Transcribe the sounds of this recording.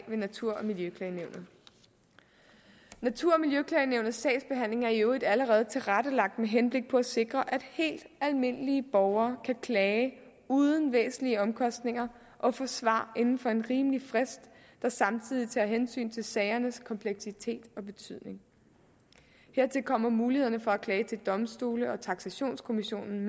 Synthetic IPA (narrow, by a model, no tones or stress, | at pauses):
ʋe̝næt͡sʰuɐ̰ɒ̽miljøkʰlɛɪneʊnð̩ˠ | næt͡sʰuɐ̰ɒ̽miljøkʰlɛɪneʊ̰nð̩ˠsɛ̰ɪsb̥e̝ɦæn̰le̝ŋæɐioid̥æləʁɛːð̞̩ˠt͡sʰe̝lʁaɾ̥əlɑ̈ɡ̥̚d̥meɦenb̥le̝ɡ̥̚pʰɒ̽æse̝ɡ̥ʁɐʔæd̥he̝̰ːld̥ælme̝n̰əliəb̥ɒʊɐːkʰækʰlɛː | uːð̞ˠən̩ʋḛːsn̩liəɒ̽mkʰɒ̽sd̥ne̝ŋɐ | ʔɒ̽fɔ̰sʋɑ̰̈ːe̝nn̩fɒ̽e̝nʁiːmlifʁɛsd̥ː | ɑ̈sɑ̈mt͡sʰið̞̰ˠit͡sʰɛɐɦensy̰ːnt͡sʰe̝lsɛɪɐnəskʰɒ̽mpʰleɡ̥sit͡sʰe̝̰ːd̥ɒ̽b̥e̝t͡sʰyð̰ˠne̝ŋ | heɐ̰t͡sʰe̝lkʰɒ̽m̰ɐmuːliheð̰ˠɐnəfɒ̽ækʰlɛːt͡sʰe̝ld̥ɒ̽msd̥uːləɒ̽t͡sʰɑ̈ɡ̥sæɕo̝̰ːnskʰo̝miɕo̝̰ːnn̩